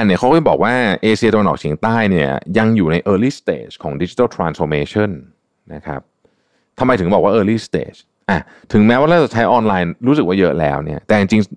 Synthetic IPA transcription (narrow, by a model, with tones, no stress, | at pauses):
a˧ni˥˩kʰa˦˥wkɔ˥˩bɔː˨˩k̚waː˥˩ʔeː˧t͡ɕʰi˧t̪a˧wa˧nʔɔ̰ː˨˩k̚t͡ɕʰi˦əŋt̪aː˥˩jni˥˩ɐja˧ŋjuː˨˩na˧jʔɤː˧liː˥˩st̪ḛː˦˩t͡ɕkʰɔ̰ː˩˦ŋdi˦˩t͡ɕi˧t̪a˥˩t̪ʰɾaː˧nsfɔː˧meː˧t͡ɕʰɔ˥˩n | na˦˥kʰa̰˦˥p̚ | t̪ʰa˧mːa˧jt̪ʰɯ˩˦mbɔː˨˩kwaː˥˨ʔɤː˧liː˥˩st̪ḛː˦˩t͡ɕ | ʔa˧˩ | t̪ʰɯ˩˦ŋmɛ˦˥waː˥˩ɾa˥˩t͡ɕa˨˩t͡ɕʰa˦˥jʔɔː˧nlaː˧jnɾuː˦˥s̬ɯ˨˩k̚waː˥˩jɤ˦˥lɛː˦˥wni˥˩ɐt̪ɛː˨˩t͡ɕi˧ŋt͡ɕi˧ŋ